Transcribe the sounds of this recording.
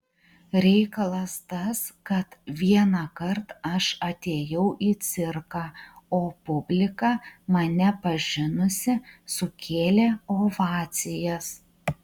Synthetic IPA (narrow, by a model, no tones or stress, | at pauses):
ɾʲɛɪkɐlˠɐst̪ɐskɐt̪ʋʲiɛnɑkɐɾt̪ɐʃɐt̪ʲeːjɛʊʔiːt̪sʲɪɾkɑːoːpʊbʲlʲɪkɑːmɐnʲɛpɐʒʲɪnʊsʲɪsʊkʲʰeːlʲeːoːʋɑːt̪sʲɪjɛs